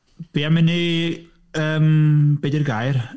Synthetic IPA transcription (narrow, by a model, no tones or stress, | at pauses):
b̥iːamɪni | əːmb̥edirɡajr